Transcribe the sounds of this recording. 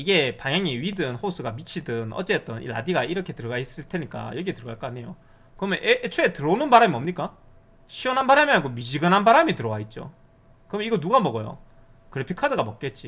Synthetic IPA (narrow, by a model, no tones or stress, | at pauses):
iɡe̞paŋjaŋiɥidɯnɸos͈ʰɯɡamit͡ɕʰidɯnʌ̰t͡ɕ͈e̞t͈ʌnḭɾa̰diɡaiɾʌkʰe̞tɯɾʌɡais͈ɯɭtʰe̞ɲik͈a̰jʌɡietɯɾʌɡaɭk͈ʌaɲe̞jo | kɯɾʌmjʌnʔeet͡ɕʰoetɯɾʌnɯnbaɾamiʌmɲik͈a | ɕʰiʌnɦanbaɾamiaɡomid͡ʑiɡɯnɦanbaɾamitɯɾʌwait̚t͡ɕ͈o̰ | kɯɾʌmjiɡʌnuɡamʌɡʌjo̰ | kɯɾepʰikʰadɯɡamʌk͈̚et̚t͡ɕ͈i